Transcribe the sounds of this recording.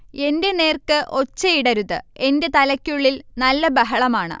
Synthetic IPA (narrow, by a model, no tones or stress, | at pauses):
e̞nde̞ne̞ːrkɨʔo̞t͡ɕːɐjiɽɐɾuðɨ̰e̞nde̞t̪ɐlɐkʲːuɭːilnɐlːɐbɐɦɐɭɐmaːɳɨ̰